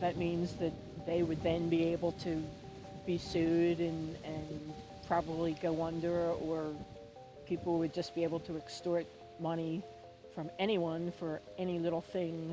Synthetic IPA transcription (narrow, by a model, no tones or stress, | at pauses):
ðɨt̚mĩnzðɨt̪̚ðeɪwɨd̪̚ðɨ̃nbieɪbl̩ˠtʰɨ | b̥isʉɾɨ̃nɨ̃npʰɹ̥ɑbəbliɡoʊʌ̃ndə˞ə˞ | pʰipl̩ˠwɨd̚d͡ʒʌsb̥ieɪbl̩ˠtʰɨɨkstɔɹt̚ | mʌɾ̃i | fɹʌ̃mɛɾ̃iwʌ̃nfə˞ | ɛñilɪɾl̩ˠθɪ̃ŋ